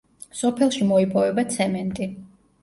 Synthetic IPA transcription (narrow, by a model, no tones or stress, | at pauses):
sɔpʰɛlˠʃimɔipʼɔvɛbat̪sʰɛmɛnt̪ʼi